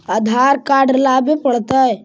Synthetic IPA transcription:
əd̪ʱaɾkaːɖlabepəɽt̪ə

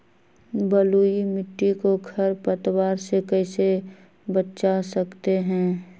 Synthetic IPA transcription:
bəluːimɪʈːikoɡʰʱɐɾpət̪waːɾsekɛɪse | bət͡ʃasɐkt̪eɦɛ̃ː

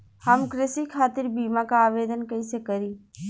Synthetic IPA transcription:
hɐmkɾɪsikʰaːt̪ɪɾbiːmakaaːʋeːd̪ənkɐĩsekɐɾiː

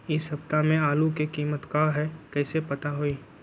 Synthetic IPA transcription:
ɪsɦɐb̚t̪amẽaːlukekiːmət̪kaːɦɛkɛːsepɐt̪aɦoiː

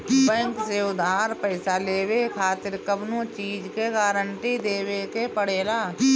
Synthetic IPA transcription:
bɛ̃ːŋkseʊd̪aːɾpəɪsaleːwekʰaːt̪ɪɾkəbnõt͡ʃiːd͡ʒkeɡaːɾəɳʈid̪eːwekepəɽeːlaː

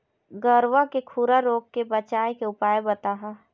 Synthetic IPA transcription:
ɡəɾʋakekʰuɾaɾoːkkebɐt͡ʃaːjkeʊpaːjebɐt̪aːɦa

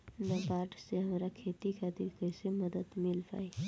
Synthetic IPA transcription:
nabaːɾʈseɦɐmːɾakʰeːt̪ikad̪ɪkəseməd̪əd̪mɪlpa̰ːi

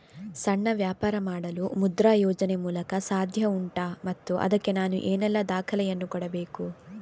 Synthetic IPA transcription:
sɐɳːɐʋjaːpaːɾɐmaːɽɐlumud̪ɾaːjɔːd͡ʒɐnemuːlɐkɐsaːd̪ʱjɐuɳʈaːmɐt̪ːuʔɐ̰d̪ɐkːe̞naːnṵʔeːnɛlːɐd̪aːkʰɐlɛjɐnːukɔɽɐbeːku

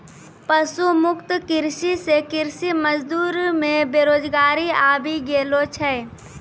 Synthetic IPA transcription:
pəsumʊkt̪kɪɾsisekɪɾsiməd͡ʒd̪uːɾmẽbeːɾoːd͡ʒɡaːɾiaːbʱiɡeːlot͡ʃʰɛ

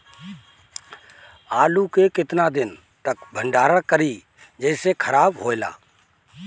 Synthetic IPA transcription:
aːlukekɪt̪nad̪ɪn | t̪əkbʱə̃ɳɖaːɾakəɾi | d͡ʒəɪsekʰəɾaːbɦoːɪla̰ː

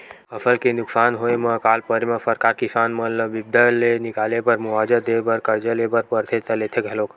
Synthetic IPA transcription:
əsəlkenʊksaːnɦoeməkaːlpəɾimə̃səɾkaɾkisaːnmələbib̚d̪əlːenikalepəɾmʊʋad͡ʒəd̪ebəɾkəɾd͡ʒəlebəɾpəɾt̪ʰet̪əlet̪ʰeɡʱɛloːk

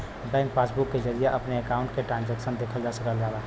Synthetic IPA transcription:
bɛ̃ːnkpasbukːed͡ʒəɾijeʔɐpneəkaʊ̃ɳʈ̚keʈɾãːnd͡ʒɛːksənd̪eːkʰəld͡ʒaːsəkəld͡ʒaːba

